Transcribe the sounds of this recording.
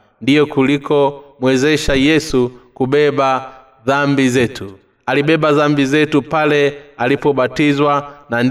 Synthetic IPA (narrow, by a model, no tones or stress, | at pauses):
ndijɔkulikɔmwɛzɛʃajɛsukuɓɛɓa | ðambizɛtu | aliɓɛɓaðambizɛtupalɛalipɔɓatizwanan